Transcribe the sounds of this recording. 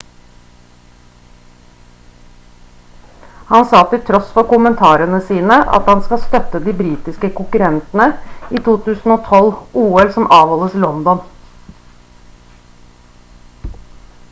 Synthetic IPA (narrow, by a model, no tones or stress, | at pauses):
hɑnsɑːt̪ɪlt̪ʰɾɔsfɔkʊmənt̪ʰɑːɾənəsiːnəɑ̰t̪hɑnskɑst̪œt̪ːəd̪iːbɾiːt̪ɪskəkʊŋkʉɾɛnt̪nəiːt̪ʰuːt̪ʰʉːsn̩oːt̪ʰɔluːɛlsɔmʔɑːʋɔləslɔnd̪ɔn